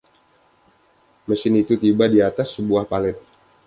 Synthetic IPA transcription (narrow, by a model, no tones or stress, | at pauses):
məsɪnit̪ut̪ibadiat̪asːəbuahpalɛt̪̚